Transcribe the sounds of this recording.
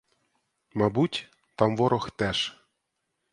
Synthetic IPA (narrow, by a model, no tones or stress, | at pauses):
mɑbutʲ | t̪ɑmvoɾɤ̆xt̪æʃ